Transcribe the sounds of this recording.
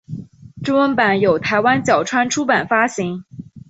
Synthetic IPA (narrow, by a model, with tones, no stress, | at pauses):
ʈ͡ʂʊ˥ŋwə˧˥npa˨˩˦njo˨˩ʊt̪ʰa˧˥ɪwa˥nt͡ɕjɑ˨˩ʊʈ͡ʂʰwa˥nʈ͡ʂʰu˥pa˨˩nfa˥ɕi˧˥ŋ